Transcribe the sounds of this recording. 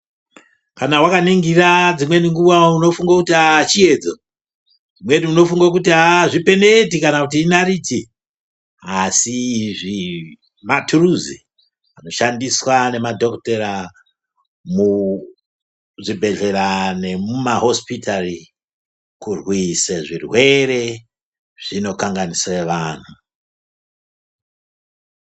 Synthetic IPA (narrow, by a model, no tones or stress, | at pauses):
kanawakaniŋɡirad͡zimwe̞niŋɡuʋauno̞fuŋɡakutiat͡ʃie̞d͡zo | imwe̞niuno̞fuŋɡak̬utiaʐipe̞ne̞tikanakut̬iːnariti | asiʐi | maturuzi | ano̞ʃandiswane̞madʱo̞kteɾa | mu | ʐibʱe̞ɮe̞rane̞mumaɦo̞spitari | kurwiseʐirwe̞ɾe̞ | ʐ̥ino̞kaŋɡaniseʋaːn̤u